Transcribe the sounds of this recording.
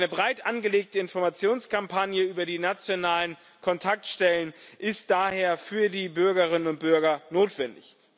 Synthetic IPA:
nəbʁaɪtʔanɡəleːk̚təɪnfɔɐmat͡sjoːnskʰampʰanjəyːbɐdiːnat͡sjonaːlən | kʰɔntʰak̚tʃtɛlənʔɪstd̥aːheːɐfyːɐdiːbʏɐɡɐʁɪnənʊnt̚b̥ʏɐɡɐnoːtv̥ɛndɪ̰ç

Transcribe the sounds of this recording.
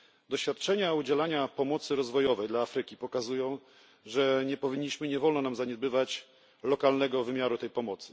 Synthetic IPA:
d̪ɔɕfʲat̪̚t͡ʂɛɲaud͡ʑɛlaɲapɔmɔt̪sɘɾɔzvɔjɔvɛjd̪laːfɾɘkʲipɔkazujɔ̃w̃ | ʐɛɲɛpɔvʲiɲːiɕmɘɲɛvɔlnɔnamzaɲɛd̪̚bɘvat͡ɕ | lɔkalnɛɡɔvɘmʲjaɾut̪ɛjpɔmɔt̪sɘ̥

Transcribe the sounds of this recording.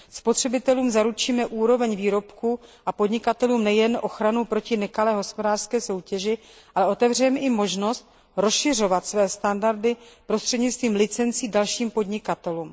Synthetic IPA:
spo̞t̪r̝̥ɛbɪt̪ɛluːmzaɾut͡ʃiːmɛʔuːɾo̞vɛɲviːɾo̞pkuʔapo̞dɲɪkat̪ɛluːmnɛjɛnʔo̞xɾanupɾo̞cɪnɛkalɛːɦo̞spo̞daːr̥skɛːso̞wcɛʒɪ | ʔalɛʔo̞t̪ɛvr̝ɛmɛʔɪmo̞ʒno̞st̪̚ | ɾo̞sʃɪr̝o̞vat̪svɛːst̪andaɾdɪpɾo̞st̪r̥ɛdɲɪt͡sst̪viːmlɪt͡sɛnt͡siːdalʃiːmpo̞dɲɪkat̪ɛluːm

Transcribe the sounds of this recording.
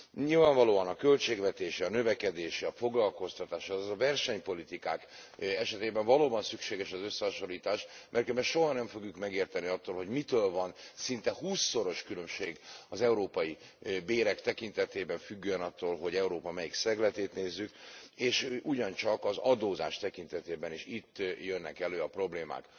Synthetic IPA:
ɲilvaːɱvɒloːɒnɒkø̞lt͡ʃeːɡvɛt̪eːʃiɒnø̞vɛkɛd̪eːʃiɒfo̞ɡlɒlko̞st̪ɒt̪aːʃzɒvɛrʃɛɲpo̞lit̪ika̰ːkɛʃɛt̪eːbɛɱvɒloːbɒnsykʃeːɡɛʃɒzø̞sːɛɦɒʃo̞ɾiːt̪aːʃmʔɛrkøbɛʃo̞ɦɒnɛɱfo̞ɡjukmɛɡeːrt̪ɛniɒt̪ːoːlɦo̞ɟmit̪øːlvɒnsint̪ɛhuːsːo̞ɾo̞ʃkylø̞mʃeːɡɒzɛuɾoːpɒji | beːɾɛkt̪ɛkint̪ɛt̪eːbɛɱfyɡːøønɒt̪ːoːlɦo̞ɟɛuɾoːpɒmɛjiksɛɡlɛt̪eːt̪neːzːykeːʃuɟɒnt͡ʃɒkɒzɒd̪oːza̰ːʃt̪ɛkint̪ɛt̪eːbɛneːʃit̪ːjønːɛkɛløːɒpro̞bleːma̰ːk

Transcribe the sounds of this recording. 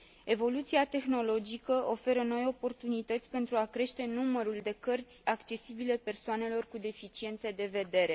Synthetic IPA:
e̞vo̞lut̪siat̪e̞xno̞lo̞d͡ʒikəʔo̞fe̞ɾəno̞jo̞po̞rt̪unit̪ət̪sʲpe̞nt̪ɾuakɾe̞ʃt̪e̞numəɾuld̪e̞kərt̪sʲakt͡ʃe̞sibile̞pe̞rsoane̞lo̞rkud̪e̞fit͡ʃie̞nt̪se̞d̪e̞ve̞d̪e̞ɾe̞

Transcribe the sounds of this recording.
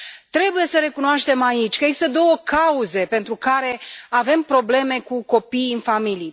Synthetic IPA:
t̪ɾe̞buje̞səɾe̞kunoaʃt̪e̞mait͡ʃʲkəeɡzist̪əd̪o̞wəkauze̞pe̞nt̪ɾukaɾe̞ave̞mpɾo̞ble̞me̞kuko̞pijɨnfamilij

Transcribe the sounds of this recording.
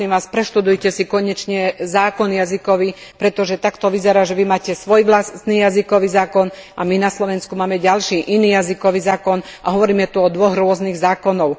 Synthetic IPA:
imʋaːspɾɛʃt̪ud̪ujcɛsikɔɲɛt͡ʃɲɛzaːkɔnjazikɔʋipɾɛt̪ɔʒɛt̪akt̪ɔʋizɛɾaːʒɛʋimaːcɛsʋɔjʋlast̪niːjazikɔʋiːzaːkɔnʔaminaslɔʋɛnskumaːmɛɟalʃiːʔiniːjazikɔʋiːzaːkɔnaɦɔʋɔɾiːmɛt̪uɔd̪ʋɔɣɾʊɔzniːɣzaːkɔnɔʊ

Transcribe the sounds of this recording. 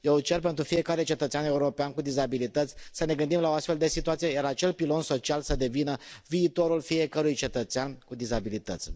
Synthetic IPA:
jet͡ʃe̞rpe̞nt̪ɾufie̞kaɾet͡ʃet̪ət̪seane̞uɾo̞peankud̪izabilit̪ət̪sʲsəne̞ɡɨnd̪imlaoast̪fe̞ld̪e̞sit̪uat̪sijejaɾat͡ʃe̞lpilo̞nso̞t͡ʃialsəd̪e̞vinəviːt̪o̞ɾulfie̞kəɾujt͡ʃe̞t̪ət̪seankud̪izabilit̪ə̰t̪sʲ

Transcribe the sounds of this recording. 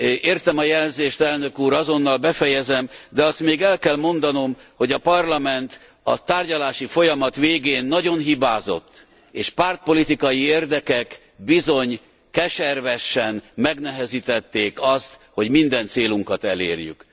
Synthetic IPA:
eːrt̪ɛmɒjɛlɛnzeːʃt̪ɛlnø̞kuːɾɒzo̞nːɒlbɛfɛjɛzɛmd̪ɛɒst̪meːɡɛlkɛlmo̞nd̪ɒno̞mho̞ɟɒpɒrlɒmɛnt̪ | ɒ̰t̪aːrɟɒlaːʃifo̞jɒmɒt̪ʋeːɡeːnːɒɟo̞nɦibaːzo̞̰t̪ː | eːʃpaːrt̪̚po̞lit̪ikɒjieːrd̪ɛkɛk | bizo̞ɲ | kɛʃɛrvɛʃɛnmɛɡnɛɦɛzit̪ɛt̪ːeːkɒst̪ho̞ɟmind̪ɛnt̪seːluŋkɒt̪ɛlḛːrjy̰k

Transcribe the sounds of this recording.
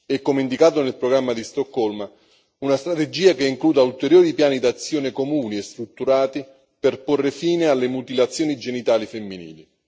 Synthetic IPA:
ɛkːomeind̪ikaːt̪onelpɾoɡɾamːad̪ist̪okːɔlma | unast̪ɾat̪ed͡ʒiːakeiŋkluːd̪ault̪eɾjoːɾipjaːnid̪at̪sːjoːnɪkomuːniest̪ɾut̪ːuɾaːt̪i | perporːefiːnealːemut̪ilat̪sːjoːnid͡ʒenit̪aːlifemːinḭːli

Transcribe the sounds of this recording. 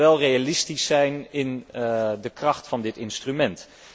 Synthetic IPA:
ʋɛlˠrejalɪstisɛjnɪndəkrɑχtfɑndɪtɪnstrymɛnt

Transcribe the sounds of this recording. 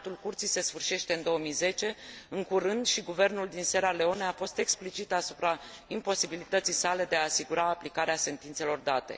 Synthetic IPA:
t̪ulkurt̪sijse̞sfɨrʃe̞ʃt̪e̞ɨnd̪o̞wəmijze̞t͡ʃe̞ɨŋkuɾɨnd̪ʃiɡuve̞rnuld̪inse̞ɾale̞o̞neafo̞st̪e̞ksplit͡ʃit̪asu̥pɾaimpo̞sibilit̪ət̪sijsale̞d̪e̞aːsiɡuɾaːplikaɾease̞nt̪int̪se̞lo̞rd̪at̪e̞̰

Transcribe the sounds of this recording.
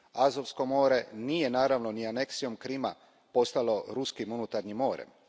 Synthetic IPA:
azo̞ʋsko̞mo̞ːɾe̞nije̞naːɾaʋno̞niane̞ksijo̞mkɾima | po̞st̪alo̞ɾuskimunut̪aɾɲimːo̞ːɾḛm

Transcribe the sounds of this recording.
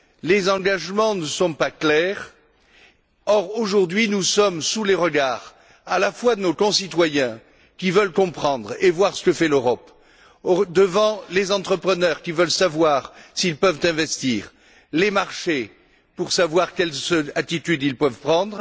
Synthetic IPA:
lezɑ̃ɡaʒmɑ̃nəsɔ̃paklɛʁ | ɔʁoʒuʁd̪ɥinusɔmsuleʁəɡaːʁ | alafwad̪ənokɔ̃sit̪wajɛ̃ | kʲivœlkɔ̃pχɑ̃d̪ʁevwaʁsə̥kəfɛløʁɔp | od̪əvɑ̃lezɑ̃t̪χəpχənœʁkʲivœlsavwaʁsiːlpœvt̪ɛ̃vɛst̪iːʁ | lemaʁʃe | puʁsavwaʁkʲɛlzat̪it̪yd̪ilpœvpχɑ̃d̪ʁ

